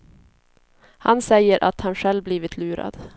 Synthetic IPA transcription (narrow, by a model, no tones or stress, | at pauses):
hansɛjːəɾʔa̰t̪hanɧɛlvbliːvɪt̪ʰlʉːɾa̰d̪̥